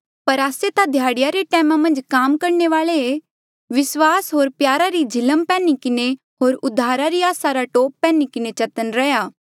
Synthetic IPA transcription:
pɐɾaːset̪ad̪ʱjaːɽɪjaɾeʈɛːmãmɐ̃nd͡ʒkaːmkɐɾneʋaːɭee | ʋɪswaːsɦoːɾpjaːɾaɾid͡ʒʱɪləmpɛ̃ːnikɪne | ɦoːɾʊd̪ʱːaːɾaɾiaːsaɾaʈoːpːɛ̃ːnikɪnet͡ʃɐt̪ənɾɛjaː

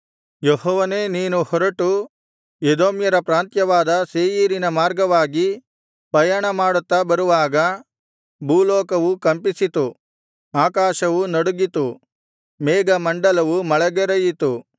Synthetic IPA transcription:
jehɔːʋɐne̞ːniːnuhɔɾɐʈu | ed̪oːmjɐɾɐpɾaːnt̪jɐʋaːd̪ɐseːjiːɾinɐmaːɾɡɐʋaːɡi | pɐjɐɳɐmaːɽut̪ːɐbɐɾuʋaːɡɐ | buːlɔːkɐʋukɐmpisit̪u | aːkaːʃɐʋunɐɽuɡit̪u | mɛːɡɐmɐɳɖɐlɐʋumɐɭɛɡɛɾɐjit̪u

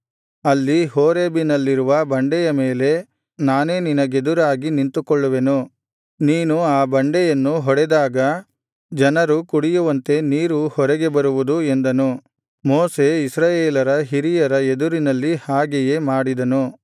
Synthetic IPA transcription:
ɐlːiɦoːɾeːbinɐlːiɾuʋɐbɐɳɖɛjɐmeːle̞ | naːne̞ːninɐɡe̞d̪uɾaːɡinint̪ukɔɭːuʋe̞nu | niːnuaːbɐɳɖɛjɐnːuɦɔɽɛd̪aːɡɐ | d͡ʒɐnɐɾukuɽijuʋɐnt̪e̞niːɾuhɔɾɛɡe̞bɐɾuʋud̪ue̞nd̪ɐnu | moːse̞isɾaːjeːlɐɾɐɦiɾijɐɾɐed̪uɾinɐlːihaːɡɛje̞ːmaːɽid̪ɐnu

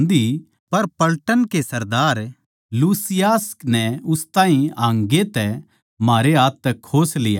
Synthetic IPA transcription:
nd̪i | pɐɾpɐlʈənkesɐɾd̪aːɾ | luːsɪjaːsknɛʊst̪ãːɦĩãːŋɡet̪ɛ | maːɾeɦaːt̪ːɛkʰoːslɪjaː

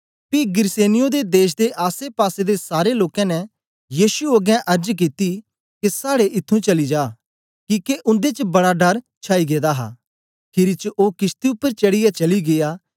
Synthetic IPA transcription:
piɡɪɾseːnɪjõd̪ed̪eːʃ̬d̪eʔaːsepaːsed̪esaːɾeloːkɛ̃nɛ | jiːsuoɡɛ̃ʔɐɾd͡ʒk̬it̪i | kesaːɽeʔɪt̪ʰːũt͡ʃɐlid͡ʒaː | kiːkeʔʊ̃nd̪et͡ʃbɐɽaɖɐɾ | t͡ʃʰaːiɡeːd̪aɦa̰ː | kʰɪɾit͡ʃʔoːkɪst̪iʊpːəɾt͡ʃɐɽɪjat͡ʃɐliɡejaː

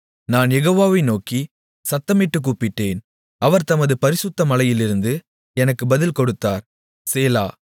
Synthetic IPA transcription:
naːnjɛɣoːʋaːʋɐɪnoːki | sɐt̪ːɐmɪʈːɯkːuːpɪʈːeːn | ʔɐʋɐɾt̪ɐmɐðɯpɐɾɪsɯt̪ːɐmɐlɐjɪlɪɾɯnd̪ɯ | ɛnɐkːɯbɐðɪlkɔɽɯt̪ːaːɾ | seːla̰ː

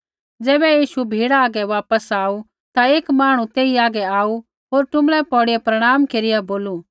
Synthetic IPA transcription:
d͡zɛːbɛjiːʃubʱiːɽaaːɡɛʋaːpəsaːu | t̪aeːkmaːɽ̃ũt̪eːiaːɡɛaːu | ɦoːɾʈʊmɽɛpɔːɽɪjɛpɾɐɽ̃aːmkeːɾɪjaboːlu

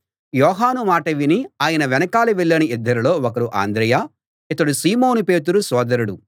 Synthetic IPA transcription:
jɔːɦaːnumaːʈɐʋiniaːjɐnɐʋɛnɐkaːluʋɛɭːɐniid̪ʱːɐɾulo̞ːɔkɐɾuʔa̰ːnd̪ɾɐjaː | it̪ɐɽusiːmoːnupe̞ːt̪uɾusɔːd̪ɐɾuɽu

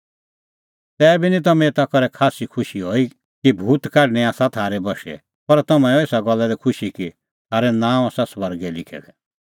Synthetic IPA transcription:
t̪ɛːbʱinĩt̪ɐmɛ̃t̪akɔɾɛkʰaːsikʰʊʃiɦoːi | kibʱuːt̪kaːɖñɛaːsat̪ʰaːɾɛbɔʃɛ̰ | pɐɾt̪ɐmãɔeːsaɡɔlːɛd̪ɛkʰʊʃiki | t̪ʰaːɾɛnãːaːsasʋɐɾɡɛlɪkʰɛ̰ɡ̪ɛ

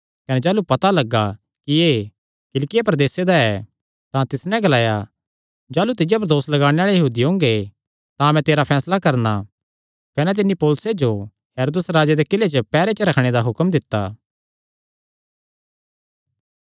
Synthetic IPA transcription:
kɐnɛd͡ʒaːlupɐt̪alɐɡːa | kieː | kɪlkɪjapɐɾɐd̪eːsed̪aɛ | t̪ãt̪ɪsnɛ̃ɡɐlaːja | d͡ʒaːlut̪̬ɪjap̬ɐɾd̪oːslɐɡaːɽ̃eaːɭejɐɦuːd̪iɦõːŋɡe | t̪ãɐmɛ̃t̪eːɾapʰɛːslakɐɾna | kɐnɛ̃t̪̬ɪnːipoːlʊsed͡ʒo | ɦeːɾoːd̪əsɾaːd͡ʒed̪ekɪlet͡ʃəpɛːɾet͡ʃəɾɐkʰɽ̃ed̪aɦʊkmd̪ɪt̪ːa̰ː

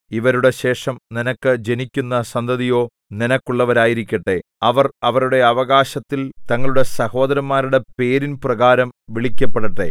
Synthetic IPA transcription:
iʋɐɾuɽe̞ɕe̞ːʂɐmninɐkːɨd͡ʑe̞nikʲːunːɐsɐnd̪ʱɐðijo̞ː | ninɐkːuɭːɐʋɐɾaːjiɾikʲːɐʈːe | ɐʋɐrɐʋɐɾuɽe̞ɐʋɐɣaːɕɐt̪ːilt̪ɐŋːɐɭuɽe̞sɐho̞ːd̪ɐɾɐmːaːɾuɽe̞pe̞ːɾinprɐɣaːɾɐmʋiɭikʲːɐpːeɽɐʈːe̞̰

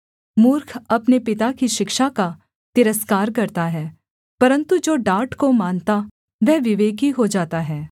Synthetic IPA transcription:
muːɾkʰɐpnepɪt̪akiʃɪkʃaka | t̪ɪɾəskaːɾkɐɾt̪aɦɛː | pɐɾə̃nt̪ud͡ʒoːɖaːɾʈkomaːnt̪a | ʋɛːʋɪʋeːɡiɦod͡ʒaːt̪aɦɛː

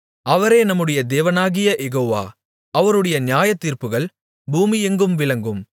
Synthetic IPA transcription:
ɐʋɐɾeːnɐmːɯɽɐjɐd̪eːʋɐnaːɣɪjɐʔɛɣoːʋa̰ː | ɐʋɐɾɯɽɐjɐnjaːjɐt̪ːiːɾpɯɣɐɭ | buːmiɛŋɡɯmʋɪlɐŋɡɯm

